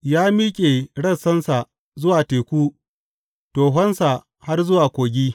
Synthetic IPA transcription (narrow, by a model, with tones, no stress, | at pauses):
jaː˦mi˦kʲʼe˨ɽɐ˦˨sɐ˦nsa˨ | zʊ˦waː˨teː˨kʷuː˦ | toː˨ɦɔ˦nsa˨ | ha˦rzʊ˦waː˨kʷoː˨ɡʲiː˦